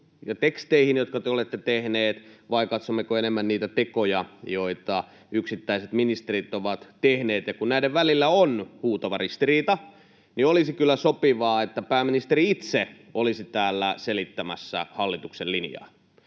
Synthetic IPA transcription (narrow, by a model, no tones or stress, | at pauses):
jɑt̪ekst̪eihinjot̪̚kɑt̪eolet̪ːet̪ehneːt̪ʋɑikɑt̪somːekoenemːænniːt̪æt̪ekojɑjoit̪ɑ | yksit̪ːæiset̪minist̪eɾit̪oʋɑt̪t̪ehneːt̪jɑkunnæiɾeʋʋælilːæonhuːt̪ɑʋɑrist̪iriːt̪ɑ | niolisikylːæsopiʋɑːet̪ːæpæːmːinist̪eriit̪se | olisit̪æːlːæselit̪ːæmæ̰sːæ̰hɑlːit̪uksellinjɑ̰ː